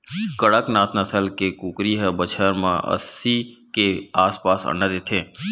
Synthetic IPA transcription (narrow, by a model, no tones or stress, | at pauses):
kəɽəknaːt̪nəsəlkekuːkɾiɦəbət͡ʃʰəɾmã̰ʔɐ̰sikeaːspaːsə̰nəd̪et̪ʰẽː